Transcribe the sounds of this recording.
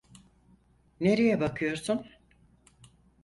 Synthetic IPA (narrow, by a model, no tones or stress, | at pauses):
ne̞ɾejɛbakʰɯjo̞ɾsun